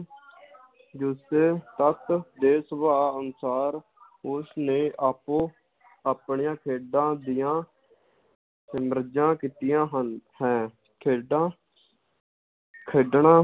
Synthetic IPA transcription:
d͡ʒʊseːt̪ət̪d̪eːsəbaːənsaːɾ | ʊsnẽːʔaːpoː | aːpɳijãːkʰeːɖãːd̪ɪjãː | əmɾəd͡ʒãːkiːt̪ɪjãːɦənhɛ̃ː | kʰeːɖãː | kʰeːɖɳãː

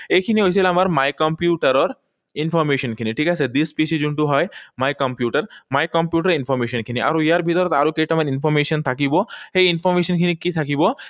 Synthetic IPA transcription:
ekʰiniojt͡ɕʰilamaɾmajkɔmpjuʈaɾɔɾ | infɔɾmeʃɔnkʰiniʈʰikat͡ɕʰed̪ispisid͡ʑuɳʈuɦɔjmajkɔmpjuʈaɾmajkɔmpjuʈaɾinfɔɾmeʃɔnkʰiniʔa̰ɾoijaɾbʱit̪ɔɾɔt̪a̰ɾokejʈamaɾinfɔɾmeʃɔnt̪ʰakibɔheinfɔɾmeʃɔnkʰinikit̪ʰakibɔ

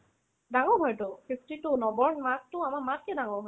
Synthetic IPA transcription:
daŋɔɹɦɔjtʊpʰipʰtitunɔbɔɹnmak̚tʊamaɹmat̚kɛdaŋɔɹɦɔ

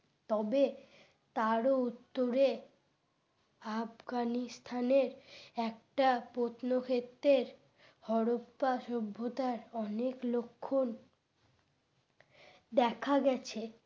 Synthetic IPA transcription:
t̪ɔbe | t̪aɾout̪ːoɾe | afɡanist̪ʰaneɾɛkʈapot̪nokʰet̪ːɾeɾ | hɔɾoppaʃobʱːot̪aɾɔneklokʰːon | d̪ɛkʰaɡɛt͡ɕʰe

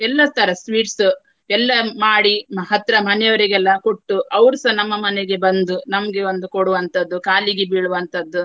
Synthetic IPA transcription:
ɛlːɐt̪ʰɐɾɐsʋiːʈs | ɛlːɐmaːɽimɐɦɐt̪ɾɐmɐnɛjɐʋɐɾiɡɛlːɐkoʈːuʔɐʋɾsɐnɐmːɐmɐneɡe̞bɐnd̪unɐmɐɡe̞ond̪ukoɽuʋɐnt̪ɐd̪ːukaːliɡebiɭuʋɐnt̪ɐd̪ːu

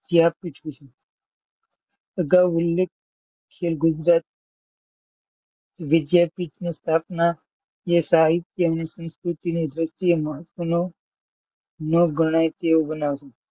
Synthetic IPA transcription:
d͡ʒiapit͡ʃʰut͡ʃʰe | əɡaʋʊlːek | kʰːelɡʊd͡ʒɾaːt̪̚ | t̪oʋɪd̪japit͡ʃnest̪ʰaːpna | jesaɦit̪əəʋnisə̃nskɾut̪ined̪ɾɪst̪ieməɦət̪ʋəno | noɡʱəɽ̃ajt̪eobənaʋʃe

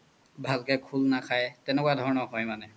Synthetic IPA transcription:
bʱalkɛkʰulnakʰajtɛnɛkuwadʱɔɹnɔɦɔjmanɛ

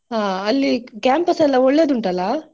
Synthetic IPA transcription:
ɦãːɐlːikaːmpɐsɛlːɐɔɭːe̞ːd̪uɳʈɐlːɐ

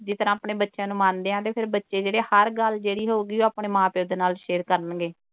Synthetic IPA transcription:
d͡ʒɪt̪əɾãːapɳeːbətːʃãːnũːmãːnd̪eːãːt̪eːpʰɪɾbətːʃeːd͡ʒeːɽeːhəɾɡəld͡ʒeːɽiːɦoːɡiːoːaːpɳeːmãːpeoːd̪eːnaːlʃeːɾkəɾnɡeː

